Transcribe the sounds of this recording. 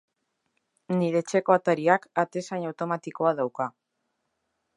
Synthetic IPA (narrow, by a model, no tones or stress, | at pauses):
niɾe̞t͡ʃe̞ko̞at̪aɾiakat̪e̞sajɲawt̪o̞mat̪iko̞aðawka